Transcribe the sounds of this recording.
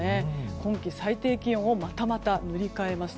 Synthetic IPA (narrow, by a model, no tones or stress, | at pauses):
ekõ̞ŋkʲisait̪e̞ːkʲĩo̞mat̪amat̪anɯ̟ɾʲikae̞masɨ̥